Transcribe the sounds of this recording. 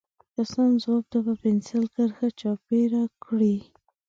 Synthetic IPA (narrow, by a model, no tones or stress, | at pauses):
kasɑnzwɑb̚t̪apəpɪnsɪlkəɾxat͡ʃɑpeɾakɽi